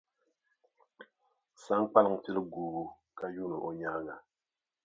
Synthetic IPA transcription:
sa˦ŋk͡pa˦lɨ˦˨ŋ˨tɪ˦lɨ˦ɡuː˨ɡu˦ | ka˦ju˦nɨ˨ʔo˨ɲa˦ŋa˨

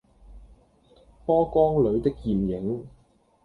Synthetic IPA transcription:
pɔː˥kɔː˥ŋlɵ˨˧˥ɥt̪ɪ˥k̚jiː˨mjɪ˨˥ŋ

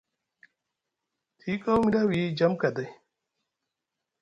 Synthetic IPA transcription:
tʰi˨˦kʼa˦wmi˦da˦wi˨˦d͡ʒa˦mka˨də˦j

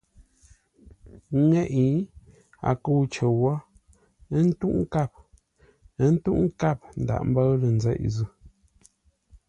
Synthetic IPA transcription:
ŋɛ˦˨ʔi˨˦ | a̰˨ku˦˨wt͡ʃə˨wɔ˦ | ə˦n̩˦tu˦ʔŋ˦ka˦˨p̚ | ə˦n̩˦tu˦ʔŋ̩˦ka˦˨p̚n̩˨da̰˨ʔm˦bə˦lə˨n̩˦zɛ̰˦˨ʔzʉ˦˨

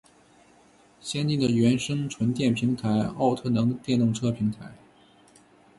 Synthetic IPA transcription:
ɕjɛ˥nt̪i˥˩d̪ə˩ɥɛ˧˥nʂɤ˥ŋʈ͡ʂʰwə˧˥nt̪jɛ˥˩npʰi˧˥ŋt̪ʰa˧˥ɪɑ˥˧ʊt̪ʰɤ˥˩nɤ˧˥ŋd̪ə˧t̪jɛ˥˧nt̪ʊ˥˩ŋʈ͡ʂʰɤ˥pʰi˧˥ŋt̪ʰa˧˥ɪ

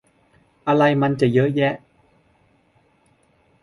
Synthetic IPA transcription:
ʔa˧ɾa˧jma˧nt͡ɕa˨˩jɤ˦˥ʔjɛ˦˥ʔ

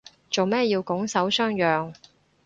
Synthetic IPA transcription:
t͡so˨wmɛː˥jiː˧wkʊ˨˥ŋsɐ˨˥wsœː˥ŋjœː˨ŋ

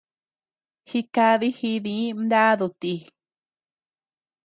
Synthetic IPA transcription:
xi˧ka˧ði˦hi˧ðĩ˧˦nd̪a˦ðu˧t̪i˧

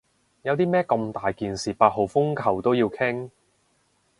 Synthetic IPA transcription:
jɐ˨˧wt̪iː˥mɛː˥kɐ˧mt̪aː˨jkiː˨nsiː˨paː˧t̚ɦo˨˩wfʊ˥ŋkʰɐ˨˩wt̪o˥wjiː˧wkʰɪ˥ŋ

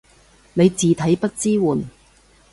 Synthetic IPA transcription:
ne˨˧jt͡siː˨t̪ʰɐ˨˥jpɐ˥t̚t͡siː˥wuː˨˩n

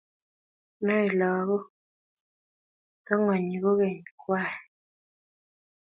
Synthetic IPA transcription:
nɔ˦i˨lɔː˨˦ɣɔ˦ | tɔ˦ŋɔ˨ɲ˨ɡo˦ɣɛ˨ɲkwa˦˨

